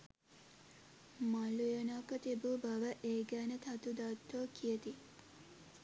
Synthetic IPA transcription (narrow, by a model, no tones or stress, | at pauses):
malujənakət̪ibubaʋəʔeːɡæːnət̪ʰɐt̪ud̪at̪ːokʰijət̪i